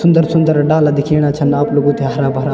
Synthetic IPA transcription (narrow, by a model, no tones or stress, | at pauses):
sʊnd̪əɾsʊnd̪əɾɖaːlad̪ɪkʰeːɽ̃at͡ʃʰənaːploɡõt̪eɦɐɾaːbɦɐɾaː